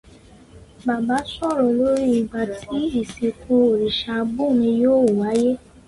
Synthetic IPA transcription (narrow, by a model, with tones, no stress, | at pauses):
ba˨ba˨˦sɔ˦˨ɾɔ̃˨lo˦ɾi˦i˨˧˨ɡ͡ba˧tʰi˨˦i˦˨si˨kʰũ˧o˨ɾi˨ʃa˧bu˦˨nĩ˧joː˦˨wu˨wa˨˦je˦